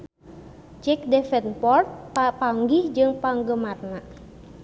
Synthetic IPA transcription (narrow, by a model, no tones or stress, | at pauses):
d͡ʒɛk̚dɛfɛnpɔrt̪̚apaŋɡihd͡ʒɨŋpaŋɡəmat̪na